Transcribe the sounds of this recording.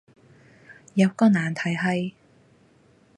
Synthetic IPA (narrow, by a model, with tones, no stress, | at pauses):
jɐ˨˧wkɔː˧naː˨˩nt̪ʰɐ˨˩jɦɐ˨j